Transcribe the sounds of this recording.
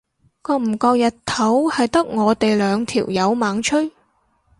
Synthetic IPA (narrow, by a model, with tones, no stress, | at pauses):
kɔː˧m̩˨˩kɔː˧k̚jɐ˨tt̪ʰːɐ˨˥whɐ˨jt̪ɐ˥k̚ŋɔː˨˧t̪e˨jlœː˨˧ŋt̪ʰḭ˨˩wjɐ˨˧˥wmaː˨˥ŋt͡ʃʰɵ˥ɥ